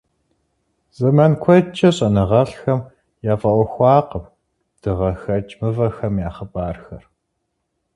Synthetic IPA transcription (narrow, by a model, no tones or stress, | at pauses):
z̥ɐmɐnkʷʰɔt͡ʃʰɐɕʼɐnɨʁɐɬxɐm | jaːfʼɐʔʷɔxʷɑːqəp | d̥ɨʁɐxɐt͡ʃʼmɨvɐxɐmjaːχɐbaːrxɐ̰r